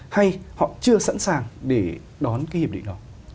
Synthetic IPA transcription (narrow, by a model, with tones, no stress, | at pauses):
ha˧jhɔ̰˧˨t͡ɕɨ˧əsa̰ː˧˥nsaː˨˩ŋɗe˧˩ | ɗɔ˨˦nka˨˦hi˨˩pɗ̰ɗɔ˨˦